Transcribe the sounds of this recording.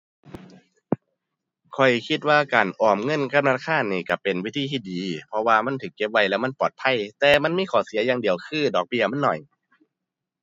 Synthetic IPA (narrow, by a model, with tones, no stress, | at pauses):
kʰɔ˨˩jkʰi˧t̪̚waː˧˥˩kaː˨˩nʔɔː˨˩mŋɤ˧˥˨nka˧˥˨mnaː˧˩kʰaː˧˥˨nːiː˧˩ka˧˩pe˨nwi˦˥˩t̪ʰiː˧t̪ʰiː˧˩diː˨˦pʰɔ˧waː˧ma˧˥˨nt̪ʰɯː˨˩˦kːe˧˥p̚wa˧˥jlɛː˧˥wma˧˥˨npɔː˨˩t̪̚pʰa˧˥˨jt̪ɛː˨˧ma˧˥˨nmiː˧˥˨kʰɔː˨˩˦si˨˦jaː˧ŋdi˨˩əwkʰɯː˧˥˨dɔː˨˩k̚bi˧˩ɐma˥˨nːɔ˨˩j